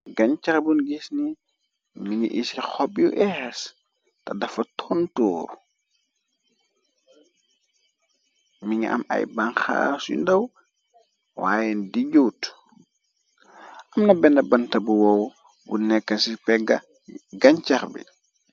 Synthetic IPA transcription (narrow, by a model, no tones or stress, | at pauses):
ɡɐɲt͡ʃɐɾbunɡisni | miɲḭʔisixɔpjuʔɛxɛs | tɐdɐfɐtʰɔntɔːɾ | miɲiʔɐ̰mɐ̰jbanxa̰ːsjṵndɐw | wa̰ːjɛndiɟuːt | ʔɐmnɐbɛndɐbɐntɐbuwɔw | bunɛkːɐsipɛɡɐ | ɡɐɲt͡ʃɐɾbḭ